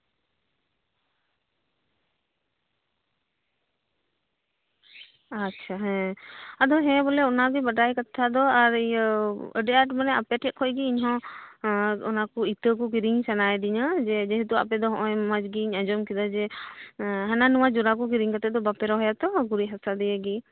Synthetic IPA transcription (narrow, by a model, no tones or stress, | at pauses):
att͡ʃʰaɦɛ̃ad̪ɔɦɛ̃bɔlɛɔnaɡibadajkat̪ʰːad̪ɔaɾjəɖiaʈmanɛapɛʈʰɛʔ̚kʰɔjɡiːɲɦɔ̃ | ɔnakɔit̪əkɔk̬iɾiŋsanajd̪iɲad͡ʒɛd͡ʒɛɦɛt̪ua̰pɛd̪ɔɦɔ̃ʔɔjmad͡ʒɡiːɲad͡ʒɔmkid̪ad͡ʒɛ | ɦananuwad͡ʒɔɾak̬ɔkiɾiŋkat̪ɛd̪ɔbapɛɾɔɦɔjat̪ɔɡuɾiɦasad̪ɛjaɡi